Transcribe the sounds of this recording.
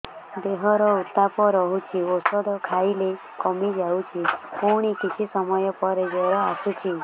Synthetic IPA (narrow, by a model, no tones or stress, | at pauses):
d̪eɦɔɾɔut̪apɔɾɔɦut͡ʃʰiosɔd̪ɔkʰaile | kɔmid͡ʒawt͡ʃʰipuɽ̃ikit͡ʃʰisɔmɔjɔpɔɾed͡ʒɔɾɔasut͡ʃʰi